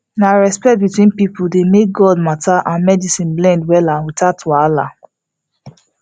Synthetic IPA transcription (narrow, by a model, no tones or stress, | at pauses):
naɹɛspɛkt̚bitwĩnpipudemek̚ɡɔd̚matʰaʔãnmɛdisĩnblɛ̃ndwɛlawitatʰuala̰